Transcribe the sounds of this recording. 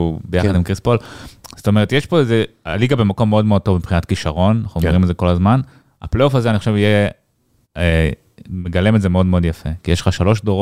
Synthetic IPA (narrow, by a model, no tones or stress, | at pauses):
ubejaadimkʁispolzo̥t̪o̞me̞et̪jeʃpo̞ezea̰liɡabe̞mako̞mːeo̞d̪meo̞d̚tovmipχinat̪kiʃaʁo̞nnaχnuoʁimalzeko̞lazman | a̰pleofazeanixoʃevije | me̞ɡalemetzemeo̞d̪meo̞d̪jafekijeʃle̥χaʃalo̞ʃ̬doʁ